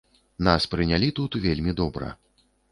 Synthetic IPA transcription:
naspɾɨnʲalʲit̪ut̪vʲelʲmʲid̪ɔbɾɐ̰

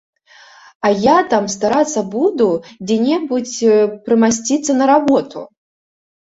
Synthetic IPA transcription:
ajat̪amst̪aɾat̪sːɐbud̪ud͡zʲɛnʲɛbut͡sʲpɾɨmasʲt͡sʲit̪sːɐnɐɾabɔt̪ṵ

